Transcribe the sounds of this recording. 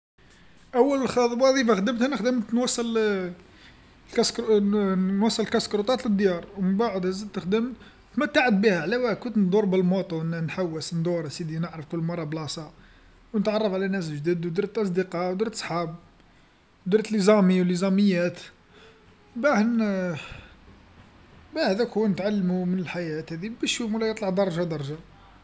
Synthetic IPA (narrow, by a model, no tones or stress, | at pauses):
ʔæwːəllxɑd̪ˤwɑd̪ˤifaxd̪əmt̪hænəxd̪əmt̪nwɑsˤːəl | lkɑsk | nwɑsˤːələlkɑskɾut̪ˤɑt̪ləd̪jɑɾˤwmənbaʕəd̪hæzəd̪t̪əxd̪əmt̪ | t̪mæt̪ːaʕəd̪̚bihæʕlæwækʊnt̪nd̪ˤuɾbəlmot̪ˤunnħawːəsnd̪uɾˤsid̪inəʕɾəfkʊlːmɑrˤːɑblɑsˤɑ | wnət̪ʕɑrˤːɑfʕlænæs̬lʒd̪id̪wd̪iɾt̪ʔɑs̬ˤd̪iqɑwd̪uɾt̪sˤħɑb̚ | d̪uɾt̪lizɑmiwlizæməjːæt̪ | bæhn | bæhæd̪ækunət̪ʕalːmumənəlħajæt̪hæd̪ibəʃumwlːæjət̪ˤlɑʕd̪ɑɾˤɑʒɑd̪ɑɾˤʒɑ